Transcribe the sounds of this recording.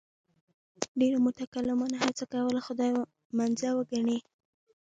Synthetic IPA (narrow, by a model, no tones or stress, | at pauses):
ɖeɾamʊt̪akalɪmunaɦat͡sakawəlaxʊd̪ɑj | manzawəɡaɳe